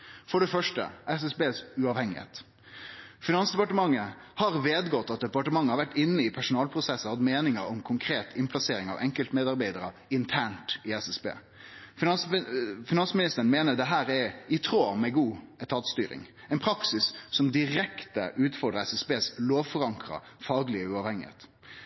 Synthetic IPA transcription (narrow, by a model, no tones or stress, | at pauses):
fɔɖɛfœʂʈə̰ʔɛsɛsbeːsʉɑʋhɛŋɪhḛːt̪ | fɪnɑnsd̪ɛpɑʈəmɑŋːəhɑʁʋeːd̪ɡɔt̪ːɑt̪̚d̪ɛpɑʈəmɑŋːəhɑɾʋæʈːɪnːəɪpʰæʂʊnɑːlpʰɾʊsɛsːɔhɑt̪meːnɪŋəɾɔmkʰʊŋkʰɾeːt̪ʰɪnpʰlɑseːɾɪŋɑ̰ʋʔɛŋkəlt̪meːd̪ɑɾbæɪd̪əɾə | ɪnt̪ʰæːɳʈɪɛsɛsbḛː | fɑfɪnɑnsmɪnɪst̪əɾənmeːnəd̪ɛɦæːɾɛɾɪt̪ʰɾoːmɛɡuːɛt̪ʰɑːt̪st̪y̰ːɾɪ̰ŋ | ɛɪnpʰɾɑksɪssɔmd̪ɪɾɛkt̪ə̰ʔʉːt̪fɔɾdʁəɛsɛsbeːsloːʋfɔɾɑŋkɾɑ̰ | fɑːɡlɪəʉɑʋhɛŋɪ̰hḛːt̪